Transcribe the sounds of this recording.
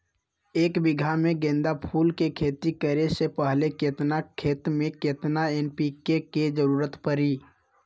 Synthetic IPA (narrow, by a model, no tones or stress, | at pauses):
eːkbɪɡʱamẽɡẽːnd̪apʰuːlkekʰeːt̪ikəɾesepəɦleket̪nakʰeːt̪mẽket̪naenpiːkeked͡ʒəɾuːɾət̪pəɾiː